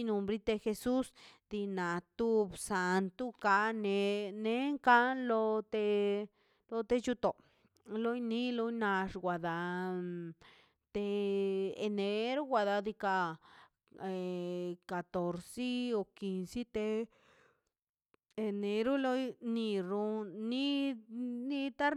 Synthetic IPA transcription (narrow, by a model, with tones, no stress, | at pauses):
nu˧mbɾi˦t̪e˧xe˧su˦sd̪i˧na˨t̪u˦bsa˨nt̪u˦ka˧ne˧ne˦ŋka˦lo˧t̪e˧ | lo˧t̪e˧t͡ʃu˧t̪o˨ | lo˦jni˧lo˦jna˧ʂɡwa˨d̪a˧ | t̪e˧e˧ne˧ɾu˦ɡʷwa˧d̪a˧d̪i˧ka˧˨ | ka˨t̪o˨ɾsi˦o˧ki˧nsi˦t̪e˧ | e˧ne˧ɾu˦lo˦jni˧ɾu˧ni˦ | ni˧t̪a˦ɾ